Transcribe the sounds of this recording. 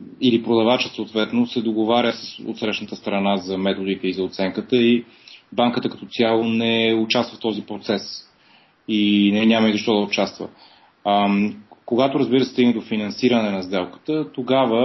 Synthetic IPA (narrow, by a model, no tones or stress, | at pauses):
ilipɾod̪ɐvat͡ʃəsoːt̪vɛt̪nosɛd̪oɡovaɾʲəsəso̰t̪sɾɛʃnət̪əst̪ɾɐnazɐmɛt̪od̪it̪ɛizɐot̪sɛŋkət̪əi | baŋkət̪əkɐt̪ɔt̪sʲialˠonɛot͡ʃast̪vəft̪ɔzipɾot̪sɛs | inɛɲʲaməizɐʃt̪ɔd̪əʊt͡ʃast̪və̰ | koɡat̪oɾəzbiɾəsɛst̪iɡnɛd̪ofinɐnsiɾənɛnɐzd̪ɛlˠkə̥t̪ət̪oɡavə